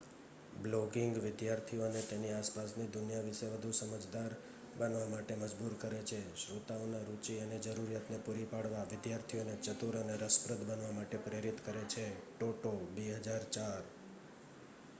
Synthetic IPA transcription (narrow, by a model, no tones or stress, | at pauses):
bloɡɪŋɡʋɪd̪jaɾt̪ʰionet̪eniaspasnid̪ʊnjaʋɪʃeʋəd̪ʱusəməd͡ʒd̪aɾ | bənʋamaʈeməd͡ʒbuɾkəɾet͡ʃʰeʃɾut̪aʋnaɾut͡ʃiəned͡ʒəɾuɾjat̪nepuɾipaɽʋaʋɪd̪jaɾt̪ʰionet͡ʃət̪uɾəneɾəspɾəd̪bənʋamaʈepɾeɾit̪kəɾet͡ʃʰeʈoʈobeɦəd͡ʒaɾt͡ʃaɾ